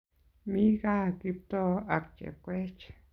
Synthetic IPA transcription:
mi˦ɡa˦ki˧p̚t̪o˦a˧k̚t͡ʃḛ˨kʷe˦t͡ʃ

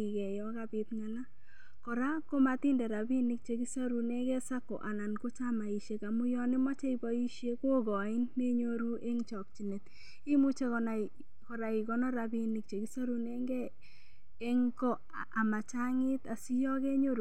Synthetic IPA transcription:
i˨kɛ˨jɔ˦ka˦bi˦t̪ŋa˨la˦ | kɔ˨ɾa˦ko˦ma˨t̪i˦ndɛ˨ɾa˨bi˦ni˦k̚t͡ʃe˨ki˦sa˦ɾu˨ne˦kɛ˦sa˦ko̰˨ʔa˨na˨nko˦t͡ʃa˦ma˨i˨ʃe˦ka˨mu˦jɔ˦ne˦mɔ˦t͡ʃe˦i˦bɔ˦i˦ʃje˦kwo˦ɡɔ˨ɪ˦nme˦ɲo˦ɾu˦ʔe˦ŋt͡ʃɔ˨k̚t͡ʃi˨ne˨t̪ | i˦mu˦t͡ʃe˦kɔ˨na˨ | kɔ˨ɾa˨i˨ɡɔ˦nɔ˦ɾa˨bi˦ni˨k̚t͡ʃe˨ki˦sa˦ɾu˨ne˦ŋɡɛː˦ | ŋkɔ˦ | a˨ma˨t͡ʃa˦ŋɪ˦t̪a˨si˦jɔ˦ke˦ɲo˦ɾ

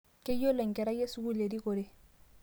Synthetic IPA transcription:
ke˦jo˦lɛ˨ŋkɛ˨ɾa˦je˦su˦ku˦le˨di˦ko˨ɾe˦

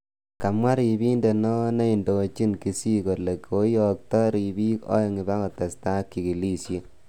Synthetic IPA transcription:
ka˨mwa˦ɾi˨bi˦nde˨nɔ˦na˦i˨ndo˨t͡ʃi˦nki˨si˦ko˨le˨kʰo˦jɔ˨k̚tɔ˦ɾi˨bi˦kɔ̰˦jŋi˨ba˦kɔ˨tɛ˨sta˦kːi˨ki˨li˦sje˦

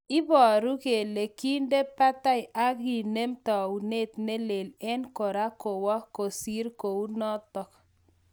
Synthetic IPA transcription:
ɪ˦bɔ˨ɾu˦ke˨le˨ki˦nde˦pa˦ta˦ɪ˨ʔa˦ɣi˨ne˦mtɔ˨u˨ne˦t̪ne˦le˨lɛ˦nko˨ɾa˦ko˨wɔ˦ko˨si˦ɾko˨u˦nɔ˦tɔ˦k

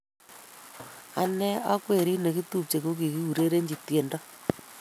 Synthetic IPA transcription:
a̰˦nɛ˦a˦kwe˨ɾi˦ne˨ki˦tu˦p̚t͡ʃe˨ko˦k̬i˨ki˦u˨ɾe˦ɾe˦ɲd͡ʒi˨tje˨nda˦

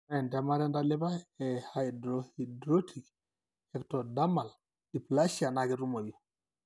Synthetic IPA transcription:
ɛ˨ntɛ˨ma˦ɾɛ˦nda˦lɪ˦ba˦ɛ˨ha˨idɾo˨hi˨dɾo˦tʰi˨k | ɛ˨ktɔ˨da˦ma˨l | i˨pla˦ʃia˨na˨kɪ˦ɾu˦mo˨jo˨

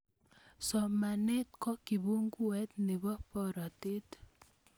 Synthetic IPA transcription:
sɔ˨ma˨ne˦t̚kɔ˦ki˨bu˦ŋku˦ɛ˦t̪ne˨bɔ˦pɔ˦ɾɔ˨te˦t

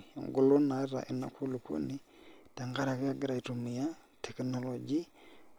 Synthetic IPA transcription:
ŋɡʊ˨lo˦na˨˦ɾa̰˨ʔɪ˨na̰˨kʰo˦lu˨ko̰˦ni˦ | ta˨ŋɡa˦ɾa˨kɪ˦a˦˨ɡɪ˦ɾa˨i˨to˨mi˨ja˦ | tʰɛ˨knɔ˨lɔ˨d͡ʒi˦

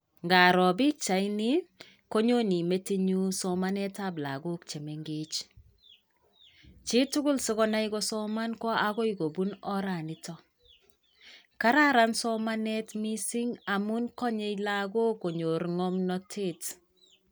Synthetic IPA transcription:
ŋɡa˨ɾɔ˨bɪ˦t͡ʃa˨inɪ˦ | ko˦ɲo˦ni˨me˦ti˦ɲu˦sɔ˨ma˦nɛ˦ta˨bla̰˨ɡo˦kt͡ʃe˨mɛ˨ŋɡe˦t͡ʃ | t͡ʃɪ˦tʊ˦ɡʊ˦lsɪ˦ɣɔ˦na˦ikɔsɔ˦ma˦nkɔ˦ʔa˦ɡɔ˦iɡo˨bu˦nɔ˦ɾa˨nɪ˦tɔ˦ | ka˦ɾa˦ɾa˦nsɔ˦ma˦nɛ˦tmi˦sɪ˦ŋa˨mu˦nkɔ˦ɲe˦jla˦ɡo˦ko˨ɲo˨ɾŋɔ˦mnɔ˦tʰe˦˨t

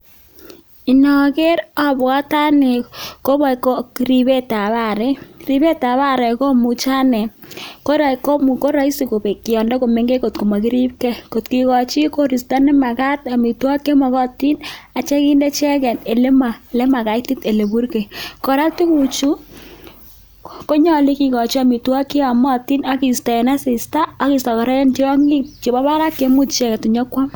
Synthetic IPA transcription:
i˨nɔ˨ɡe˦ɾɔ˦ba˦ta˦nɪ˨ko˦bɔ˨ko˦ɾi˨be˦ta˨βa˦˨ɾɛ˦ɾi˨be˦ta˨βa˦ɾɛ˨ko˦mu˨t͡ʃa˦nɛ˨ko˦ɾa˨ko˦mu˨ko˦ɾa˦i˦si˨ko˨be˨kɪ˨jɔ˨ndɔ˦ko˨me˨ŋɡe˦ko˨tko˨ma˨ki˦ɾi˦pke˦ko˨tki˦ɣɔ˨t͡ʃi˦ko˦ɾi˨sta˦nɛ˦ma˨ɣa˦ta˨mi˨twɔ˦ke˦mɔ˨ɣɔ˦ti˦na˨t͡ʃɛ˦ki˦ndɛ˦t͡ʃɛ˦kɛ˨ne˨le˦ma˨le˦ma˨ka˨ti˦te˨le˨bu˦ɾke˨kɔ˨ɾa˦tu˦ku˨t͡ʃu˦ | ko˦ɲɔ˦li˦ki˨kɔ˨t͡ʃi˦a˨mi˨twa˦ki˦a˨mɔ˦ti˦na˦ki˨sta˨ɛ˨na˦sɪ˨staː˦ki˨sɔ˨kɔ˨ɾɛ˦ɛ˦nt͡ʃi˦ɾɔ˦ŋɡi˦t͡ʃi˨ba˦ba˦ɾa˦kːe˨˦mu˦tt͡ʃɛ˦kɛ˨tu˨ɲɔ˦kwa˦m

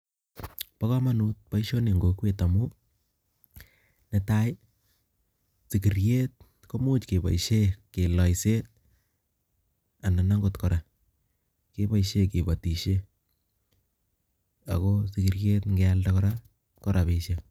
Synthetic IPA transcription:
pa˦ka˦ma˦nu˦t̚pa˦iʃo˦ne˨ŋɡo˨kwe˦ta˨mu˦ | nɛ˦ta˦j | si˨ki˨rjet̚ | ko˦mu˦t͡ʃke˨ba̰˨iʃeke˨lɔ˨jse˦t̚ | a˨na˨na˦ŋɡotkɔɾa˨ | ke˦ba˦iʃe˦ke˨bati˨ʃe˦ | a̰˨kosi˨ki˨rje˦tŋɡealdakɔɾa | kɔ˦ɾʔa˨pe˨ʃe

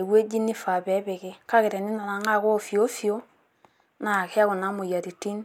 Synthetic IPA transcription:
we˦d͡ʒi˦ni˦fa˨bɛ˨˦be˨kɪ˦˨ka˦ke˨ɾɛ˨ni˦na˨la˨ŋa˦˨ko˦˨fi˨o˦fi˨o˦ | na˨ke˦a˦ko˨na˨˦mu˨ja˨ti˨ti˦n

